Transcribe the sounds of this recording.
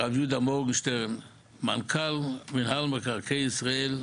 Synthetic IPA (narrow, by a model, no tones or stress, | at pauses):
avjuːdamɔɾɡŋ̩ʃtɛn | ma̰nkʰalvɪnhalˠməkaʁkʰeɪsʁel